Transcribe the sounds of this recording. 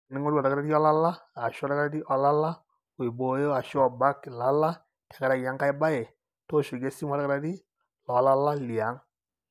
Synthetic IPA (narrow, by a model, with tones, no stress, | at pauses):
nɪ˦ŋo˦ɾwa˨ɾa˨ka˦ɾa˦di˦ɔ˦la˦la˦a˨ʃɔ˦ɾa˦ka˦ɾa˦di˦ʔɔ˨la˦la˦ | ʊ˨i˨bo˨jo˦a˨ʃɔ˦˨ba˦kla˨˦la˦ | tɛ˨ka˦ɾa˦˨ja˦ŋka˦jba˦jɛ˨ | to˦ʃʊ˨ɡe˦si˦ma˨ɾakaɾa˦di˦ | lɔ˨˦la˦la˦li˨a˨˦ŋ